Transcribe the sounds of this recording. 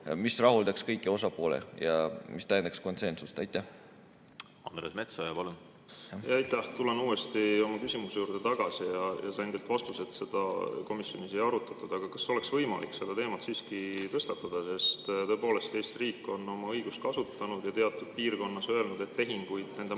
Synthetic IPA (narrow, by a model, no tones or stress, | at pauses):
misrɑɦuld̪ɑkskɤjkːˑio̞sɑpo̞ːlḛjɑmist̪æjend̪ɑksko̞nse̞nsust̪ɑjt̪ˑːæh | ɑnd̪ɾesmet̪sojɑpɑlun | jɑɑjt̪ˑːæht̪ulenuːest̪io̞mɑkysimusejuːrd̪̥et̪ɑɡ̥ɑsijɑjɑ̰sɑend̪̥elt̪vɑst̪uset̪se̞d̪̥ɑko̞misjo̞nise̞jɑɾut̪ːˑɑt̪ːˑud̪̥ɑɡ̥ɑkɑsːo̞leksvɤjmɑ̰likse̞d̪ɑt̪e̞ːmɑt̪siːskit̪ɤst̪ɑt̪ːˑɑd̪̥ɑse̞st̪t̪ɤ̞epo̞ːle̞st̪e̞jst̪iriːkːˑo̞no̞mɑɤjɡ̥ust̪̚kɑsut̪ˑːɑnud̪̥jɑt̪e̞ɑt̪ːˑud̪̥̚piːrko̞nːɑsø̞e̞lnud̪e̞t̪ːe̞ɦiŋɡujd̪ne̞nd̪e